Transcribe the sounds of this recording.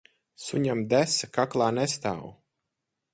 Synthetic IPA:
suɲamd̪æsakaklˠaːnɛst̪a̰ːw

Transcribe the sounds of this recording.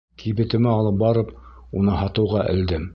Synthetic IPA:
kʰiβɘ̆t̪ɘ̆mɘɑlˠɤp̚bɑɾɤpunɤhɑt̪ɤ̆wʁɑʔɘ̰̆ld̪ɘm

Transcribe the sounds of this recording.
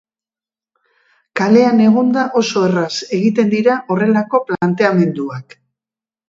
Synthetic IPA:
kale̞ane̞ɣ̞und̪aʔo̞so̞e̞rase̞ɣit̪e̞nd̪iɾaʔo̞re̞lako̞plant̪e̞ame̞nd̪uak

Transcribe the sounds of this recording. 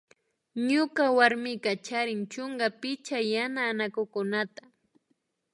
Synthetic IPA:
ɲʊkawaɾmɪkat͡ʃaɾɪŋt͡ʃʊŋɡapɪt͡ʃajanaːnakʊkʊnat̪ḁ

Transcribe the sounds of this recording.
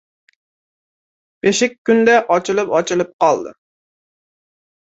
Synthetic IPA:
b̥eʃɪk̚ʲʰːynd̪ɛʔɑt͡ʃʰɪlˠɨpɑt͡ʃʰɪlˠɨp̚qɑlˠd̪ɨ̰

